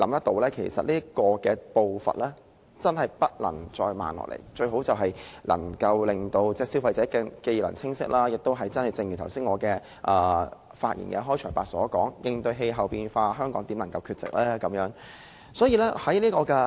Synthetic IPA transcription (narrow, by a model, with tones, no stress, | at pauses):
lɐ˨˥mt̪ɐ˥k̚t̪o˧˥wlɛː˥kʰe˨˩jsɐ̰˨t̚liː˥ɐ˥kɔː˧kɛː˧po˧wfɐ̰˨t̚lɛː˥ | t͡sɐ˥nɦɐ˨˩jpɐ˥t̚lɐ̰˨˩ŋt͡sɔː˧jma̰ː˨nlɔ̰ː˨˩lḛ˨˩jt͡ʃɵ˧ɥɦo˨˥wt͡sɐ˨wɦɐ˨jlɐ̰˨˩ŋkɐ˧wlɪ˨˩ŋt̪o˧wt͡sɛː˥siː˧˥wfɐ˧jt͡sɛː˨˥kɛ˧ke˧jlɐ˨˩ŋt͡sʰɪ˥ŋsɪ̰˥k̚laː˥jɪ˨k̚t̪o˥wɦɐ˨jt͡sɐ˥nhɐ˨jt͡sɪ˧ŋjy˨˩t̪ʰwsiː˥ŋɔː˨˧kɛː˧ | ʔɐː˨ | faː˧t̚jḭ˨˩nkɛ˧ɦɔː˥jt͡ʃʰœː˨˩jpaː˨˧t̚sɔː˨˥kɔː˨˥ŋjɪ˧ŋt̪ɵ˧ɥɦe˧jɦɐ˨wpiː˧nfaː˧ɦœː˥ŋkɔː˨˥ŋt̪i˨˥nlɐ˨˩ŋkɐ˧wkʰyː˧t̚t͡sɪ̰˨k̚lɛː˥kɐ˨˥mjœː˨˥ŋ | sɔː˨˥jiː˧lɛː˥hɐ˨˥jliː˥kɔː˧kɛː˧